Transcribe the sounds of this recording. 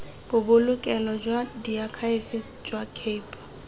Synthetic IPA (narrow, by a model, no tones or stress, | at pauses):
b̥ʊbʊlʊkʼɛlɔd͡ʒwadiakʰaefɪ | d͡ʒwakʰeːpʼḁ